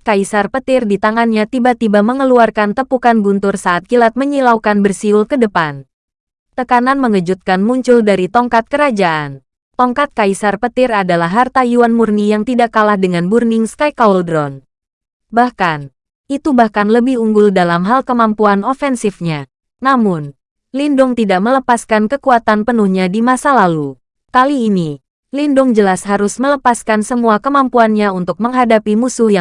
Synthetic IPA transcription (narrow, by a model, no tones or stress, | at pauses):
kaisarpət̪ɪrdit̪aŋanɲat̪ibat̪ibaməŋəluarkant̪əpukanbunt̪ʊrsaʔːt̪̚kilat̪̚məɲilauwkanbərsiʊlkədəpan | t̪əkananməŋəd͡ʒut̪̚kanmuɲt͡ʃʊldaɾit̪ɔŋkat̪̚kəɾad͡ʒaʔan | t̪ɔŋkat̪̚kaisarpət̪ɪradalaɦːart̪ajuanmurnijaŋt̪idakalahdəŋanburnɪŋskajkauldɾɔn | bahkan | ʔit̪ubahkanləbɪhuŋɡʊldalamɦalkəmampuanofɛnsɪfɲa | namʊn | lindʊŋt̪idaʔmələpaskankəkuat̪anpənuhɲadimasalalu | kaliːni | lindʊŋd͡ʒəlasɦaɾʊsmələpaskansəmuakəmampuanɲaunt̪ʊk̚məŋɦadapimusʊhja